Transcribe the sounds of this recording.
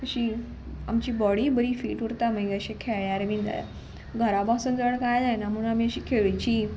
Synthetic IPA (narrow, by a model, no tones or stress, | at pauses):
əɕiː | a̰mt͡ɕiːbɔɽiːbəɾiːfiːʈuɾt̪amə̃ɡeəɕekʰeɭjaɾmĩnd̪a̰ja̰ | ɡʱəɾabasund͡zəʋəɽkajd͡zajnamuɽnamiəɕiːkʰeɭət͡ɕiː